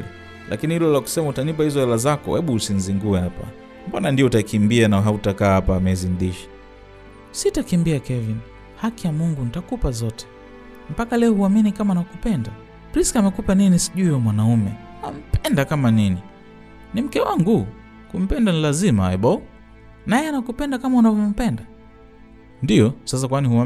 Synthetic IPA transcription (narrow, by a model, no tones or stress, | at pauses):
lʔa̰kinihilɔlaku̥sɛmautanip̬ahizɔɛlazakɔ̰hɛɓuusin̩ziŋɡuɛhapa̰ | mbanandiɔutakimbianaɦautakaːhapaːmɛzinðiʃḁ | sitakimbiakɛvin | hakijamuŋɡunitakupazɔtʰɛ̥ | m̩pakalɛɔhuaminikamanakupɛnda | pɾiskamɛkupaninisi̥ʄuiɔmwanaumɛ | am̩pɛndakamanini | nim̩kɛwaŋɡu | kum̩pɛndanilazimaɛɓɔu | najɛanakupɛndakamaunavɔm̩pɛnda | ndijɔsas̬akwanihua